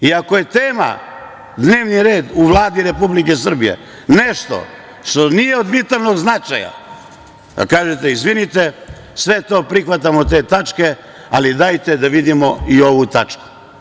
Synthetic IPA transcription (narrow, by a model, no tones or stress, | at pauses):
iakoje̞t̪eːma̰ | d̪ne̞ːʋniɾe̞ːd̪uʋlˠaːd̪iɾe̞publike̞sr̩bijḛ | neʃt̪o̰ | ʃt̪o̞nije̞od̪ʋit̪alno̞ɡznat͡ʃaja̰ | a̰kaːʒet̪eizʋinit̪e̞ | sʋet̪o̞ːpɾixʋat̪̬amo̞t̪e̞ːt̪at͡ʃke̞ | alid̪ajt̪e̞d̪aʋid̪imo̞io̞ʋut̪at͡ʃku̥